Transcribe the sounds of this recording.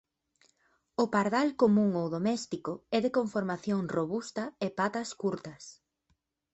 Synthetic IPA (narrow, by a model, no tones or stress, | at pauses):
ʊpaɾðalkomũŋowðomɛst̪ikʊɛðekoɱfoɾmaθjoŋroβust̪ɐepat̪ɐskuɾt̪ɐs